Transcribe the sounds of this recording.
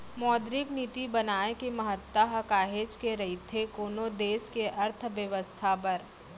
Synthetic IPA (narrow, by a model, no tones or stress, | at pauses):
mɔːd̪ɾɪkniːt̪ibɐnaːekemɐɦət̪ːaɦɐkaːɦeːd͡ʒkeɾɐɦit̪ʰekoːnod̪eːskeʔɐɾt̪ʰʋjəʋəst̪ʰapɐɾ